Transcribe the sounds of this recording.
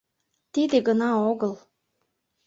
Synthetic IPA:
t̪id̪ĕɡɤ̆nɑoɣɤ̆lˠ

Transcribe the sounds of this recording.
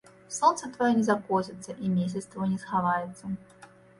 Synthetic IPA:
sont̪sət̪vɐjonʲɪzɐkosʲɪt̪səʔimʲes̬ʲɪt̪st̪vjonʲɪsxɐvajɪt̪sə

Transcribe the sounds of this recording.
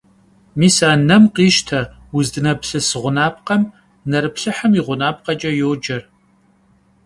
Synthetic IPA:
miːsaːnɐmqiːʃtʰɐ | wʊzdɨnɐpɬɨsɨʁʷʊnaːpqɐm | nɐɾɨpɬɨħɐmiʁʷʊnaːp̚qɐt͡ʃʼɐjoːd͡ʒɐr

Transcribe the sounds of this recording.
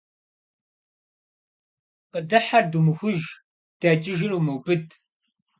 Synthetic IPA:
qədɐħardumɨxʷʊʒ | d̥aːt͡ʃʼɪʒɪruːmɐwbɨd

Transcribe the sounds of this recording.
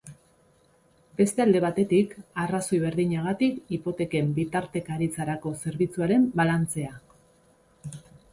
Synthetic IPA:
be̞st̪e̞ald̪e̞β̞at̪e̞t̪ikaraso̞jβe̞ɾðiɲaɣ̞at̪ikipo̞t̪e̞ke̞mbit̪aɾt̪e̞kaːɾit͡saɾako̞se̞ɾβit͡suaɾe̞mbalant͡se̞a

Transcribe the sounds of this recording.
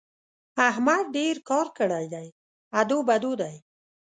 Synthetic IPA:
aɦmad̪̚ɖeɾkɑɾkəɽajd̪aj | ad̪obad̪od̪aj

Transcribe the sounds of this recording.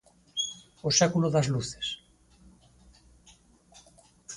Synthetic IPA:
osɛkuloðazluθe̥s

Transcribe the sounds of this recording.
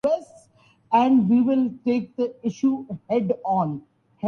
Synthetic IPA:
ɛsʈ | ɛ̃ɳɖʋiːʋɪlʈeːk̚d̪əɪʃuːhɛɖɔ̃ːn | hɛ

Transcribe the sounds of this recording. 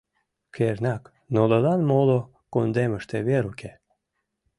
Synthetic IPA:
kʰernʲɑk | nolod̪ɑnmolˠo | kond̪emə̆ʃt̪eβeɾukʲe

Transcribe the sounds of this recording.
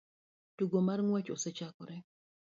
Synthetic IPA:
tuɡomarŋwɛt͡ʃɔsɛt͡ʃakɔɾɛ

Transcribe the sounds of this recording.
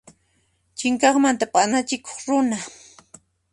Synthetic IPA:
t͡ʃɪŋkɑχmant̪apʼanat͡ʃɪko̥χɾʊna

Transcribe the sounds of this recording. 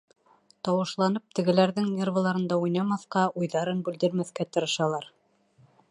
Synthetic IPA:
t̪ɑwɤ̆ʃlˠɑnɤp̚t̪ɘ̆ɡɘ̆læɾðɘŋnʲervə̆lˠɑɾɤ̆nd̪ɑujnɑmɑθqɑʔujðɑɾɤnbʉld̪ɘ̆ɾmæθkæt̪ɤ̆ɾɤ̆ʃɑlˠɑɾ

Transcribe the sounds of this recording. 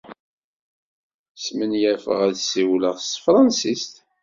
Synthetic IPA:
smənjæfə̰ʁæðsiwləʁst̪fɾˤɑnsist̪

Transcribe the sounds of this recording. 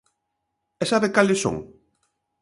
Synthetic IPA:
ɛsaβekalɪsõ̰ŋ

